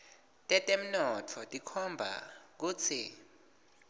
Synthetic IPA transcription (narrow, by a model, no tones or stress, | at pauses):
tʼɛtʼem̩nɔtʰɔtʼikʰɔmbʱa̰k̬uːt͡sʰi